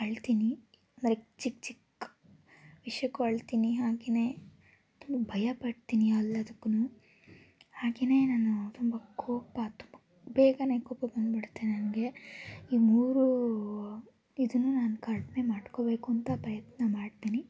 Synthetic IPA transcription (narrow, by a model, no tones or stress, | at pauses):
ɐɭt̪iːni | ɐnd̪ɾet͡ʃikt͡ʃik | ʋiʂjɐkːuɐɭt̪iːniɦaːɡene̞ː | t̪umbɐbʱɐjɐpɐɽt̪iːniɐlːɐːd̪ɐkːunuː | haːɡene̞ːnaːnut̪umbɐkʰoːpɐt̪u̥mbɐ | beːɡɐne̞ːkɔːpɐbɐnd̪biɽt̪ːenɐnɐɡe̞iːmuːɾu | id̪unːuːnaːnukɐɾʈne̞maːɖko̞be̞ːkuɐnt̪ɐpɾɐjɐt̪nɐmaːɽt̪iːni